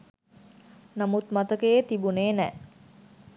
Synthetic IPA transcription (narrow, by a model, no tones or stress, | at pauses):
namut̪mat̪əkeet̪ibuneːnɛ